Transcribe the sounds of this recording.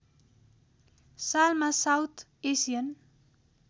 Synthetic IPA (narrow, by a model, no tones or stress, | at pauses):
salmasawt̪ | esiən